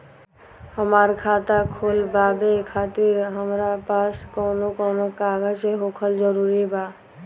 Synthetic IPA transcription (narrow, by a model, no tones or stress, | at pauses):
həmaɾkʰaːt̪akʰolbaːbekʰaːt̪iɾɦəmɾapaːskɔːnokɔːnokaːɡəd͡ʒeɦokʰəld͡ʒəɾuːɾibaː